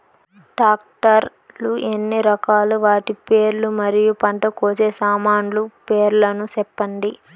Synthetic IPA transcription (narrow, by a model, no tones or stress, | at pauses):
ʈaːk̚ʈɐɾ | luʔenːiɾɐkaːluʋaːʈipe̞ːɾlumɐɾijupɐɳʈɐkoːt͡ʃeːsaːmaːnlupeːɾlɐnut͡ʃɛpːɐɳɖi